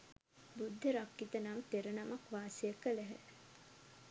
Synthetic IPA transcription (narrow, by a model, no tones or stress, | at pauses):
bud̪ʱːəɾakːit̪ənamt̪eɾənamakʋaːsijəkːəlæɦə̰